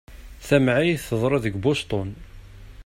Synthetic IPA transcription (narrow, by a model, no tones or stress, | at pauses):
θæmʕijθəðˤɾˤɑðəɡbʊst̪ˤʊn